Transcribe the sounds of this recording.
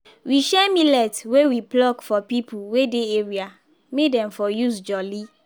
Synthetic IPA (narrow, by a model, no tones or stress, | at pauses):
wiʃɛmilɛtwewiplɔɡfɔpipuwedeeɹia | medɛ̃mfɔjusd͡ʒɔli